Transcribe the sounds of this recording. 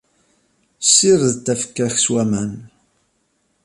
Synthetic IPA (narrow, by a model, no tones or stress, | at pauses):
sːiɾðt̪ːæfə̥kːæxswæmæn